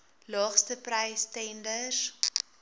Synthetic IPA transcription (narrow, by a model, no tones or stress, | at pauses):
lɑːχstəprəjstɛndər